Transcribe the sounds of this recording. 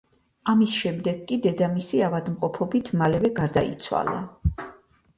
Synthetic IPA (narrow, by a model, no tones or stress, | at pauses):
amisʃɛmd̪ɛɡkʼːid̪ɛd̪amisiavad̪mqʼɔpʰɔbit̪ʰmalɛvɛɡaɾd̪aḭt̪sʰwa̰lˠa̰